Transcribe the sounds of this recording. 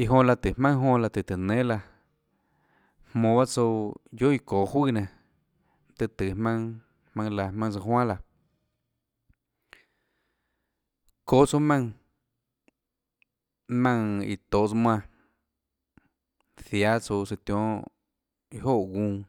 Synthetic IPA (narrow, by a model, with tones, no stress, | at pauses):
i˧ɦõ˧˨la˧t̪ɨ˨mã˦ŋɦõ˧la˧t̪ɨ˨t̪ɨ˨nẽ˦la˧ | hmõː˧˨βa˦t͡so˧jo˦i˧koː˨hwiː˦˨nã˧˨ | t̪ɨ˧t̪ɨ˨hmã˧ŋ | hmã˧ŋla˧mã˧ŋ˧t͡sa˧ɦwã˦la˧ | ko˦˨t͡so˧mã˧ŋ | mã˧ŋḭ˨t̪o˨ʔt͡smw̃ã˧˨ | θja˦t͡so˧si˧t̪j̃õ˦ | i˧ɦo˦˨ʔɡũː˧